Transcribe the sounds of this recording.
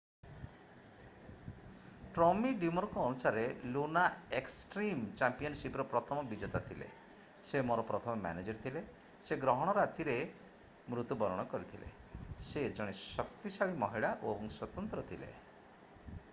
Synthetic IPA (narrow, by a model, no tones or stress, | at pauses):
ʈɾɔmiɖimɔɾkɔːnusaɾelunaeksʈɾimt͡ʃampiɔnsipɾɔpɾɔt̪ʰɔmɔbid͡ʒɔt̪at̪ʰilḛ | semoɾɔpɾɔt̪ʰɔmɔma̰ned͡ʒɔɾt̪ʰile | seɡɾɔɦɔɽ̃ɔɾat̪iɾe | mɾut̪ubɔɾɔɽ̃ɔkɔɾit̪ʰilḛ | sed͡ʒɔɽ̃esɔk̚t̪isaɭimɔɦiɭaʔoebɔŋswɔt̪ɔnt̪ɾɔt̪ʰilḛ